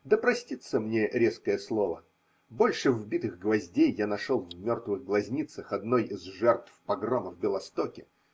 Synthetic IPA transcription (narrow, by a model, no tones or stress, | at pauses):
d̪əpɾɐsʲtʲit̪səmnʲe̞ɾʲe̞skəjəslˠo̞və̰ | bo̞lʲʂɨvbʲit̪ɨɣɡvɐzʲdʲejːanɐʂolˠvmʲort̪vɨɣɡlˠɐzʲnʲit̪səxɐd̪no̞jizʐɛrt̪fpɐɡroməvbʲɪlˠɐst̪okʲɪ